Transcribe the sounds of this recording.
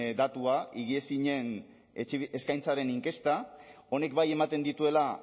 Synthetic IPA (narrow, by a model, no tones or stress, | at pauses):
d̪at̪uaiɣiesiɲe̞n | eskajnt͡saɾe̞niŋke̞st̪a | o̞ne̞kbaje̞mat̪e̞nd̪it̪ue̞la